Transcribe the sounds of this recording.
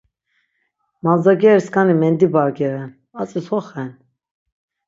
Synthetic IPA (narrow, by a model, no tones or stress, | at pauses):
manzaɡɛɾskʰanimɛnd̪ibaɾɡɛɾɛn | at͡sʼishɔχɛn